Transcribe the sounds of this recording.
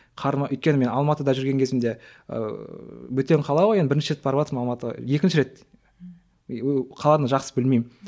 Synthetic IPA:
qʰɑɾmɑʔɵʏjt̪kʲeɪme̞nɑlˠmɑt̪əd̪ɑʒʏɾɡʲe̞ŋkʰʲe̞zɪmd̪e̞̰ | wɵt̪e̞ɴqʰɑlˠɑwojenbɪɾɪnʃɪɾet̪bɑɾəpɑt̪ɾmɑlˠmɑt̪əʁɑ̰je̞kʲɪnʃɪɾe̞t̪ | qʰɑlˠɑd̪əʒɑqsəbɪlmejm

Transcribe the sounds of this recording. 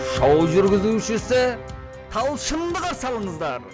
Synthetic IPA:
ʃɑwʒʏɾɡʲɪzuʃɪsɪ | t̪ʰɑlˠʃənd̪əqɑsɑlˠəɴəzd̪ɑɾ

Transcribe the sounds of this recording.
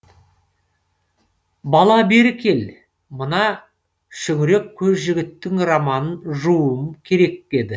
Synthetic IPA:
bɑlˠɑbe̞ɾɪkʲʰe̞l | mənɑ | ʃʏɡɪɾe̞kʲʰːɵzʒɪɡʲɪt̪ːɪŋrɑmɑnənʒuwəmkʲʰe̞ɾe̞ke̞d̪ɪ

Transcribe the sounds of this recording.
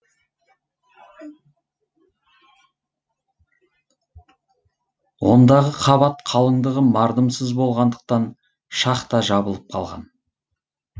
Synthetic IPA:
wo̞nd̪ɑʁəqʰɑβɑt̪qʰɑlˠəɴd̪əʁəmɑɾd̪əmsəzbo̞lˠʁɑnd̪əq̚t̪ɑn | ʃɑqt̪ɑʒɑbəlˠəp̚qʰɑ̰lˠʁɑ̰n

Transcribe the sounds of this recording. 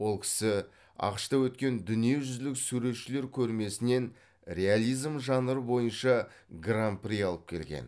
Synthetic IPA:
wo̞lˠkʲʰɪ̥sɪ | ɑ̰qə̥ʃt̪ɑwɵt̪̚kʲe̞nd̪ʏnije̞ʒʏzlɪksuɾe̞t̪ʃɪle̞ɾkʲʰɵɾme̞sɪne̞n | re̞alʲijzmʒɑnəɾəbo̞jənʃɑ | ɡramprijɑlˠəp̚kʲʰe̞̰lɡʲe̞̰n

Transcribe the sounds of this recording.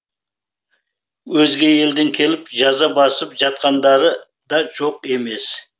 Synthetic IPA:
wɵzɡʲe̞e̞ld̪ɪŋkʲʰe̞lɪpʒɑzɑbɑsəpʒɑt̪̚qɑnd̪ɑɾə | d̪ɑʒo̞qe̞me̞s

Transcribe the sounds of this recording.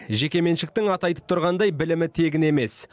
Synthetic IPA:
ʒe̞kʲe̞me̞nʃɪk̚t̪ɪŋɑt̪ɑjt̪əp̚t̪ʰʊɾʁɑnd̪ɑjbɪlɪmɪt̪ʰe̞ɡʲɪne̞me̞s

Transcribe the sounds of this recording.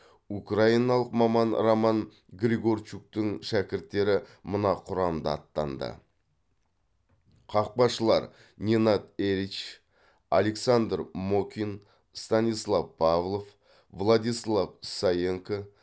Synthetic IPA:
ukrainɑlˠəqmɑmɑnramɑn | ɡɾʲiɡo̞rt͡ʃuk̚t̪ɪŋʃækʲɪɾt̪ːe̞ɾɪmʊnɑqʰʊɾɑmd̪ɑɑt̪ːɑ̰nd̪ə̰ | qʰɑq̚bɑʃəlˠɑ̰ɾ | nʲenat̪eɾit͡ʃ | a̰le̞ksand̪rmokʲin | st̪anijslˠɑvpʰavlˠo̞f | vlˠad̪ijslˠavsajeŋko

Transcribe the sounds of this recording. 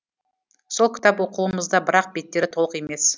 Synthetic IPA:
so̞lˠkʲɪ̥t̪ɑpwo̞quəməzd̪ɑbɪɾɑq̚be̞t̪ːe̞ɾɪt̪ʰo̞əqe̞me̞s

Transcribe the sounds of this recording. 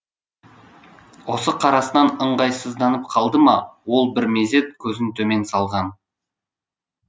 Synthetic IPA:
wo̞səqʰɑɾɑsənɑnəɴʁɑjsəzd̪ɑnəp̚qʰɑlˠd̪əmɑwo̞lˠbɪɾme̞ze̞t̪̚kʲʰɵzɪnt̪ʰɵme̞nsɑlˠʁɑn

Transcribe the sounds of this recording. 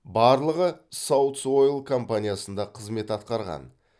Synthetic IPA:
bɑɾlˠəʁəsɑwt̪so̞jlˠkʰo̞mpanʲijasənd̪ɑqʰəzme̞t̪ɑt̪̚qɑɾʁɑ̰n

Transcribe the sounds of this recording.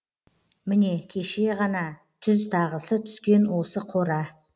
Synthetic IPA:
mɪne̞kʲʰe̞ʃe̞ʁɑnɑ | t̪ʰʏzt̪ʰɑʁəsət̪ʰʏ̥skʲe̞nwo̞səqʰo̞ɾɑ

